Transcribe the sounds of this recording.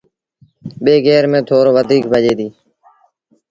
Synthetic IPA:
ɓeːɡeːɾmẽːt̪ʰoːɾoːʋəd̪ʱiːk̚bʱəd͡ʒeːd̪iː

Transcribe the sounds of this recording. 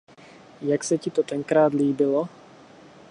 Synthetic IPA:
jaksɛcɪt̪ot̪ɛŋkɾaːd̪liːbɪlo

